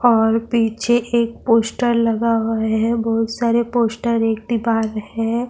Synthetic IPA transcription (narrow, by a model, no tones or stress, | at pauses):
ɔːɾpiːt͡ʃʰeʔeːk̚poːsʈəɾlɐɡaʊeɦɛ̃bɔɦʊt̪saːɾepoːsʈəɾeːk̚d̪ibaːɾəɦeɛɦɛ̃